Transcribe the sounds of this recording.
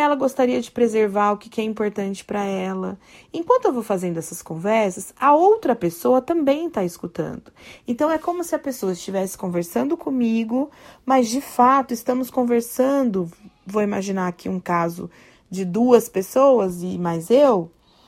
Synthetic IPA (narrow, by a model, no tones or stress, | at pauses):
ɛlɐɡost̪aɾiɐd͡ʒɪpɾezeɾvaɾʊkɪ̥kɪɛĩmpoɾt̪ɐ̃nt͡ʃɪ̥pɾɐɛlɐẽkwɐ̃nt̪ʊewvowfazẽnd̪ʊɛsɐskõvɛɾsɐsɐowt̪ɾɐpesowɐt̪ɐ̃mbẽj̃t̪aɪskut̪ɐ̰̃nd̪ʊẽnt̪ɐ̃w̃ɛkõmʊsɪɐpesowɐɪst͡ʃivɛsɪ̥kõveɾsɐ̃nd̪ʊkʰõmiɡʊmɐzd͡ʒɪfat̪ʊɪst̪ɐ̃mʊskõveɾsɐ̃nd̪ʊvowimaʒinaakʰiũkazʊ̰ | d͡ʒɪd̪uɐspesowɐzɪmajzew